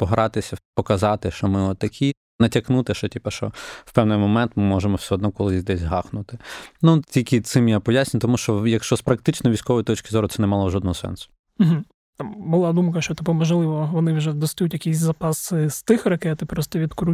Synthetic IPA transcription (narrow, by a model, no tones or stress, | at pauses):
pɔɦɾɑt̪ɪsʲɐpɔkɐzɑt̪ɪʃt͡ʃɔmɪɔt̪ːɐkʲʰi | nɐtʲɐknut̪ɪʃɔtʲipɐʃt͡ʃɔ̰wpɛwnɪjmɔmɛnt̪mɪmɔʒemɔwsʲɛɔd̪nɔkɔlˠɪd̪ɛsʲɦɑxnʊt̪ɪnutʲilʲkɪt̪sɪmjapɔjasʲnʲɪnʲt̪ɔmuʃt͡ʃɔjɐkʃt͡ʃɔspɾɐk̚t̪ɪt͡ʃnɔʋʲijsʲkɔʋɔjit̪ɔt͡ʃkʲɪzɔɾʊt̪sɛnɛmɑlˠɔʒɔd̪nɔɦɔsɛ̰nsʊ̥ | m̩ɦ̩ | t̪ɑmbʊlˠɑd̪umkɐʃt͡ʃɔt̪ɪpɔmɔʒlˠɪʋɔʋɔnɪwʒɛd̪ɔst̪ɐjutʲjɐkʲisʲzɐpɑsɪst̪ɪxrɐkɛt̪ɪpɾɔst̪ɔʋʲid̪kɾu